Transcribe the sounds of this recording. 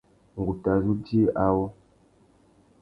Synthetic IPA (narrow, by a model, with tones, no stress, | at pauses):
ŋ̩˨ɡu˨ta˨zu˦di˦ʔa˦wo˦